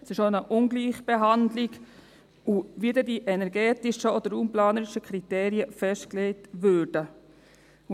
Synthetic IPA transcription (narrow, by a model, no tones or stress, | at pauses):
sɪʃonəʔʊŋɡliːχb̥eɦandlɪɡ | uʋidɛdiʔɛnɛɾɡɛːtɪʃəod̥̪əɾumplɑːnəɾɪʃəkʰɾiteːɾiəfɛʃtklɛɪtʋøɾd̥ə